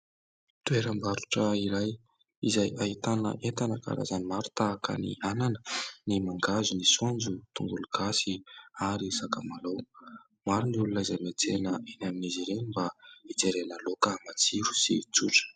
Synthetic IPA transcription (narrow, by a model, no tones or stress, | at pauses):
t̪ueɾəmbaɾuʈ͡ʂəiɾaj | izajaɦit̪anə̰ʔet̪anəka̰ɾa̰zanimaɾu̥t̪aːkə̰nḭananə̥nimaŋɡazunisuond͡zut̪uŋɡuluɡasiaɾisaka̰malow | maɾuniulunəizajmet͡senəʔenaminiziɾembaid͡zeɾenəlokəmat͡siɾu̥sit͡suʈ͡ʂə̥